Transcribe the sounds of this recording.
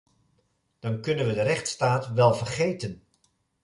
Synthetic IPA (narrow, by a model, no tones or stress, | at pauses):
d̥ɑnkɵnənʋədərɛχtstaːtʋɛlˠvərχejtən